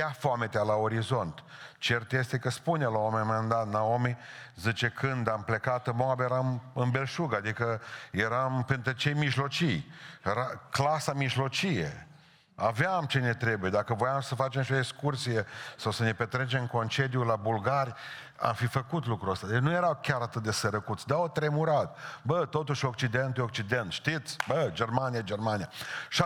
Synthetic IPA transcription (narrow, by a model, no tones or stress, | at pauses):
afoamet̪ealao̞ɾizo̞nt̪t͡ʃert̪je̞st̪e̞kəspunelaomemaand̪at̪naomezɨt͡ʃe̞kʰɨnd̪ample̞kat̪ɨmoabejeɾamɨnbe̞lʃuɡad̪ikəje̞ɾampent̪ɾut͡ʃe̞jmiʒlo̞t͡ʃijjeɾaklasamiʒlo̞t͡ʃijḛ | aveamt͡ʃe̞ne̞t̪ɾe̞buje̞d̪akəvo̞jamsəfat͡ʃemʃioekskursije̞sawsəne̞pet̪ɾe̞t͡ʃemko̞nt͡ʃe̞d̪julabulɡarʲ | a̰mfifəkut̪lukɾuəst̪ad̪enuje̞ɾawkʲaɾat̪ɨt̪̚d̪esəɾəkut̪sʲd̪aot̪ɾe̞muɾat̪bət̪o̞t̪uʃo̞k̚t͡ʃid̪e̞nt̪ujok̚t͡ʃid̪e̞nt̪ʃt̪it̪sʲbəd͡ʒe̞rmanijad͡ʒe̞rmanijaʃa